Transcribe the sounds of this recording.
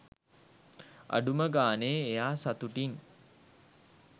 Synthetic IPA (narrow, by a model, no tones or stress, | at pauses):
a̰ɖuməɡaːneːejaːsat̪uʈiŋ